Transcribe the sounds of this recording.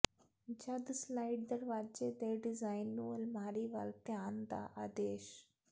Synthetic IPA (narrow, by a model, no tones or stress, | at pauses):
d͡ʒad̪slajʈ̚d̪ɐɾʋaːd͡ʒeːd̪eːɖizaːjnːuɐlmaːɾiːʋaːlt̪jaːnd̪a̰ʔaːd̪eːʃ